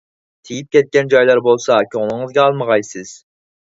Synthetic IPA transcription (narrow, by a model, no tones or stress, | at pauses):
t̪ʰijip̚kʲʰɛt̪̚kʲɛnd͡ʒɑjlˠɑɾbolˠsɑkʲʰøŋlˠɪŋɨzɡʲɛɑlˠməʁɑjsɪz̥